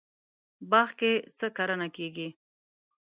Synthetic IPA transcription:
bɑxket͡səkaɾənakeɡi

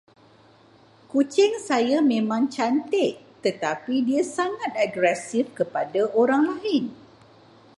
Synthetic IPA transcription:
kut͡ʃɪŋsajamẽmãŋt͡ʃant̪ɪʔt̪ət̪apidiasaŋãt̪̚aɡɾɛsifkəpadaʔoɾaŋlaɪn

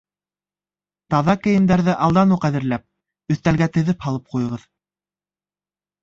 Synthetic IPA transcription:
t̪ɑðɑkɘ̆jɘ̆md̪æɾðɘʔɑlˠd̪ɑnuqæðɘ̆ɾlæp̚ | ɵ̆θt̪ælɡæt̪ɘ̆ðɘphɑlˠɤp̚qujɤ̆ʁɤð

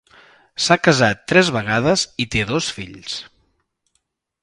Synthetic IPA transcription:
sakəzat̪ːɾɛzβəɣaðəzit̪eðosfiʎs

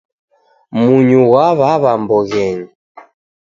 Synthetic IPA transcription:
muɲuwaβaβambɔɣɛɲi

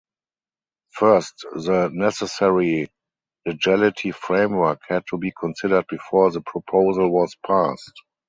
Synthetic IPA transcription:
fɜ˞stðənɛsɛsɛɹi | lɛd͡ʒalɪtʰifɹẽɪ̃mwɜ˞khɛd̚tʰubiːkʰɔ̃nsɪdə˞d̚bifɔːɹðəpʰɹɔpʰoʊzəlwɔspʰast

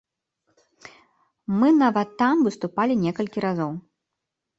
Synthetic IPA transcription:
mɨnavɐt̪ːamvɨst̪upalʲinʲɛkɐlʲkʲiɾazɔw

